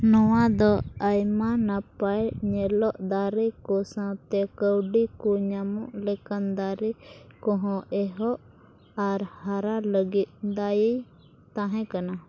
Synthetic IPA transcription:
nɔwad̪ɔajmanapajɲɛlɔʔd̪aɾikɔsãt̪ɛkəwɖikɔɲamɔʔlɛkand̪aɾikɔ̃ɦɔ̃ʔɛɦɔʔ | aɾhaɾaləɡit̪̚ˀd̪aji | t̪ãɦɛ̃kana

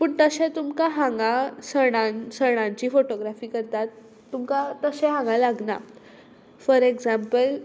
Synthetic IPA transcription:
pəːɳt̪əɕẽt̪umkaɦãŋɡãsəɽ̃ãnsəɽ̃ãɲt͡ɕiːfoʈoɡɾafiːkəɾt̪at̪ː | umkat̪əsẽɦãŋɡãlaɡna̰ | fəɾeɡd͡zampəl

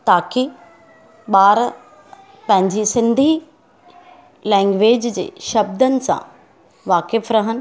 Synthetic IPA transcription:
t̪aːki | ɓaːɾ | pɐ̃ɦɪ̃ɲd͡ʑisɪ̃nd̪ʱi | lɛ̃ːŋɡʋeːd͡ʑd͡ʑḛːʃɐb̚d̪ənɪ̆sã̰ | ʋaːkɪfɾɐɦənɪ̆

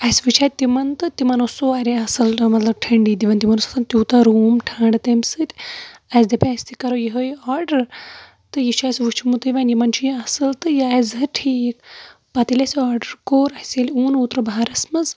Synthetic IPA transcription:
ɐsʋut͡ʃʰaːt̪̚t̪imɐnt̪ɨt̪imɐnosoaɾeɐsɨlmɐt̪lɐb̚ʈʰɐɳɖiːd̪iʋɐnt̪imɐnosɐ̥sʰɐnt̪ʲuːt̪aɾuːmʈʰaːɳɖɨt̪emsɨt̪ʲɐzd̪ɐpʲasʲt̪ikɐɾojiɦojɔːɾɖɐɾ | t̪ɨjit͡ʃʰasʲʋut͡ʃʰmut̪ɨʋɐnjimɐnt͡ʃʰujiɐsɨlt̪ɨjaːzɦɨʈʰiːk̚ | pɐt̪ilʲɐsɔːɾɖəɾkoːɾɐsʲeluːnuːt̪ɾɨbaaɾɐsmɐz

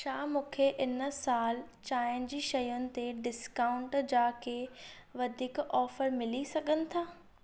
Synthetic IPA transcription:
ʃaːmũːkʰeʔɪnəsaːlt͡ɕaːɪnɪ̆d͡ʑiːʃɐjʊnɪ̆t̪eɖɪskaːʊ̃ɳʈd͡ʑaːkʰeʋɐd̪ʱiːkɔːfəɾmɪlisɐɡʱənɪ̆t̪ʰaː

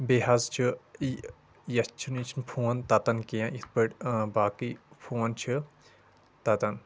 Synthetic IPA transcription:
beɦɐzt͡ʃʰi | jɐst͡ʃʰunit͡ʃʰinpʰoːnt̪ɐt̪ɐnkijãit̪̚ʰpəʈbaːkipʰoːnt͡ʃʰɨ | t̪ɐt̪ɐn

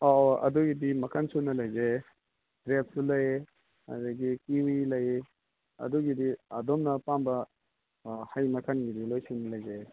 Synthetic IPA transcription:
oɐ̰duɡidimɐkʰɐnsunɐlɐjze | d̥ɾep̚sulɐj | ɐ̰dɐɡikiwilɐje | ɐ̰duɡidiɐdomnɐpambɐ | hɐjmɐkʰɐnɡidilojsunɐlɐjze

